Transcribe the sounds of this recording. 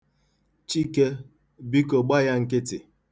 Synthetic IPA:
t͡ʃi˦ke˦ | bi˦ko˨ɡ͡ba˦ja˦ŋ̩˦kɪ˦tɪ̰˨

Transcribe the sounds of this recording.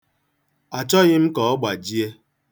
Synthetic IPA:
a˨t͡ʃɔ˦ɣɪ˦m̩˦kɔ˨ɔ˦ɡ͡ba˨d͡ʒi˦e˦

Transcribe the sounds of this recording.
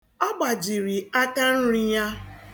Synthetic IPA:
a˦ɡ͡ba˨d͡ʒi˨ɾi˨a˦ka˦n̩˦ɾi˦ja˦

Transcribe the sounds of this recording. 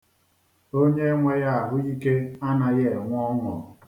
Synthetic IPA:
o˦ɲe˦ŋʷe˦ja˦a˨ɦʊ˦i˦ke˦a˦na˨je˦˨ŋʷ˦ɔ˦ŋɔ̰˨

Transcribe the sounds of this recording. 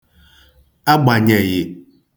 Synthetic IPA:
a˦ɡ͡ba˨ɲɛ˨jɪ˨

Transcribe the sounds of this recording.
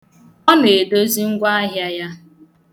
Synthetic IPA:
ɔ˦ne˨e˨do˦zi˦ŋ̩˦ɡʷa˦a˦ɦja˦ja˦

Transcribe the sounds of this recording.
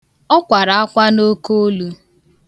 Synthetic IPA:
ɔ˦kʷa˨ɾa˨a˦kʷa˦no˦ko˦lu˦

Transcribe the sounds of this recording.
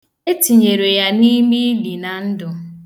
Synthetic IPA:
e˦ti˨ɲe˨ɾe˨ja˦ni˦mi˦li˨na˨n̩˦dʊ˨

